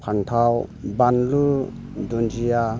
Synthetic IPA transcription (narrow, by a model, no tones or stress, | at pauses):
pʰaŋtʰawbanlu | dund͡ʒija